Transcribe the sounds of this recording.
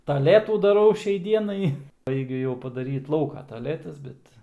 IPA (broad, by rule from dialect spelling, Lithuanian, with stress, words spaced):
tɐˈlʲæːtuː dɐˈrɐʊ ˈʃʲɛɪ ˈdʲiɛnɐɪ ˈbɐɪɡʲʊ jɛʊ pɐdɐˈrʲiːt ˈlˠɐʊkoː tɐˈlʲæːtɐs ˈbʲɛt